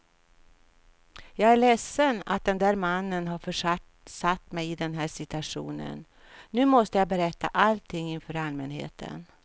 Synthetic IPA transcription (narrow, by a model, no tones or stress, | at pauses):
jɑːɡæɭɛsːəna̰t̪̚d̪ɛnd̪æːɾmanːənɦaɾfœʂ | sat̪ːmɛjɪd̪ɛnɦæːʂɪt̪ɵaʂṵːnə̰nː | ʉ̟ːmɔst̪əjɑbɛɾɛt̪ːa̰ʔalt̪ʰɪŋːɪnfœːɾalmɛnhḛːt̪ʰə̰n